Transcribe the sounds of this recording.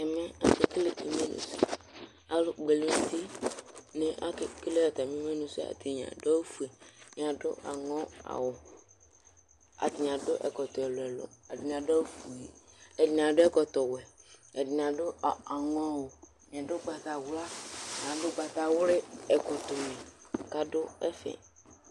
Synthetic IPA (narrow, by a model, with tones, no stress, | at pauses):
ɛ˨mɛ̃˦a˨se˨kle˦˨ʔi˨me˦nṵ̃˨sḭ˦ | a˨lʊ˨ɡ͡be˨le˨t̪i˦nɪ̃˨ʔa̰˦kɪ˨kle˦a˨t̪a˨mĩ˦me˦nũ˨si˦a̰˨t̪i˨ɲã̰˨da˦fu˨e˨ɲ˨ã˨dʊ˦ʔa̰˨ŋɔ̃˦a̰˨wʊ˨ | a̰˨t̪i˨ɲ˨ã˨dʊ˦ʔɛ̰˨kɔ˨t̪ɔ˨ɛ˨lo˨ɛ˨lɔ̰˨ɛ˨di˨n˨ã˨da˦fu˨e˨ɛ˨di˨n˨ã˨dʊ˦ɛ˦kɔ˨t̪ɔ˨wɛ˨ɛ˨di˨n˨ã˨dʊ˦˨a˨ŋɔ̃˦a˨wʊ˨ | ɲ˨a˨dʊ˦ɡ͡ba˨t̪a˨wla˦ɲ˨ã˨dʊ˦ɡ͡ba˨t̪a˨wʊ˦ɾɪ˦ɛ˨kʊ˨t̪o˨nẽ˨ka˦dʊ˦ɛ˦fɛ̰̃˨